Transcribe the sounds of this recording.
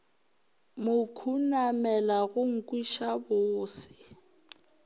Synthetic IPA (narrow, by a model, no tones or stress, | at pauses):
mʊkʰunamɛlaɣʊŋ̩kʼwiʃabʊːsɪ̥